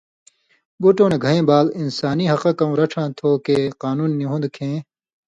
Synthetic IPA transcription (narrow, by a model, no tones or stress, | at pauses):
buʈoːneɡʱɐẽːbaːlinsaːniɦɐqɐ̃kɐũɾɐʈ͡ʂʰãːt̪ʰoːkeːqaːnuːnːiɦũnd̪kʰẽː